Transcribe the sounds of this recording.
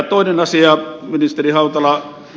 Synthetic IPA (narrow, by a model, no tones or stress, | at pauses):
t̪oˑinenɑsiɑminist̪erihɑut̪ɑlɑ